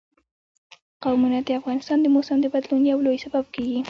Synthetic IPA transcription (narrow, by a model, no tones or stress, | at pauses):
qawmunad̪əafɣɑnɪst̪ɑnd̪əmosamd̪əbad̪lunjawlojsababkeɡi